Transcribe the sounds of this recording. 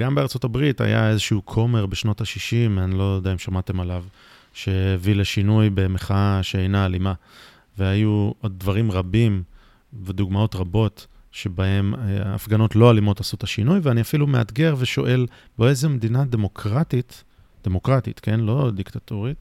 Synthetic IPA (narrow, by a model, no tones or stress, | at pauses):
ɡambeaʁt͡so̞tabʁita̰ja̰e̞zeʃuukʰo̞meʁbeʃno̞taʃiʃimanilo̞daimʃamate̞malav | ʃe̞ːvileʃinujbemeχaʃeejnaːlima | veajuʔo̞d̪̚dvaʁimʁabim | ved̪uɡmao̞tʁabo̞t | ʃe̞bahe̞ma̰fɡano̞tlo̞alimo̞tasutaʃinujveaniafilumea̰t̪ɡe̞ʁveʃo̞̰ʔe̞l | boezemed̪inademokʁatit | d̪̥emo̞kʁat̪ḭt̪ke̞nlo̞d̪ikt̪atoʁit̪